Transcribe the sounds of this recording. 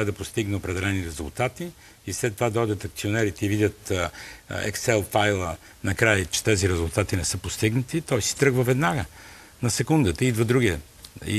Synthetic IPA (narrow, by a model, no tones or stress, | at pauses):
əd̪ɐpost̪iɡnɛopɾɛd̪ɛlɛniɾɛzʊ̰lˠt̪at̪i | islɛt̪ːovad̪ɔjd̪ʲət̪ɐkt̪sionɛɾit̪ɛivid̪ʲət̪ | ɛ̰ksɛlˠfajlˠə | nɐkɾajət͡ʃɛ̥t̪ɛziɾɛzulˠt̪at̪inɛsɤpost̪iɡnət̪it̪ɔjsi̥t̪ɾɤɡvəvɛd̪naɡə | nɐsɛkund̪ət̪əid̪vəd̪ɾuɡiɛ | ḭ